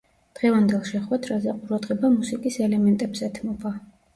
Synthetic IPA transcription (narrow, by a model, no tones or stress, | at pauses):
d̪̥ʁɛvand̪ɛlˠʃɛχwɛd̪ʰɾazɛqʼuɾad̪ʁɛbamusikʼisɛlɛmɛnt̪ʼɛbsɛt̪ʰmɔba